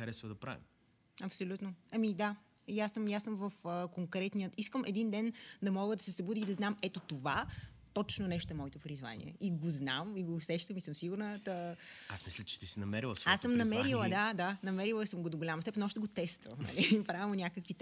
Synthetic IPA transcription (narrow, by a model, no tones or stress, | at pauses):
xɐɾɛsvəd̪ɐpɾa̰vḭm | ɐpsolʲut̪noɐmid̪a | jasəmjasəmvəfəkoŋkɾɛt̪nijət̪iskəmʔɛd̪ind̪ɛnd̪ɐmɔɡəd̪ɐsɛsɐbud̪iːd̪ɐznamɛt̪ot̪ova | t̪ɔt͡ʃnonɛʃt̪oɛmɔit̪opɾizva̰nḭɛ̰ʔiɡozna̰miɡoːsɛʃt̪əmisɤmsiɡuɾnət̪əasmislʲət͡ʃɛ̥t̪isinɐmɛɾilˠəsvasːəmnɐmɛɾilˠəd̪ad̪anɐmɛɾilˠəsəmɡod̪oɡolʲamost̪ɛpnɐɔʃt̪ɛɡot̪ɛst̪vɐ̰nɐ̰lipɾavimonʲakəkvi